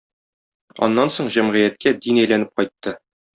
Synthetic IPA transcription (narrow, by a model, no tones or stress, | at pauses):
ɒ̰nːɑnsoɴʑæmʁĭjæt̪̚kæd̪inæjlænɘp̚qɒjt̪ːɤ